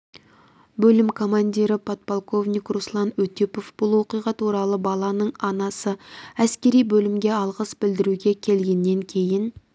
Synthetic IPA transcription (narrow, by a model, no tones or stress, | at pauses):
bɵlɪmkʰo̞manʲd̪ʲiɾɪpʰot̪̚polˠko̞vnʲijkruslˠɑnɵt̪ipo̞fb̥ʊlˠwo̞qijʁɑt̪ʰuɾɑlˠəbɑlˠɑnəɴɑnɑsəæskʲe̞ɾijbɵlɪmɡʲe̞ɑlˠʁəsbɪld̪ɪɾuɡʲe̞kʲʰe̞lɡʲe̞nːe̞ŋkʲʰe̞jɪn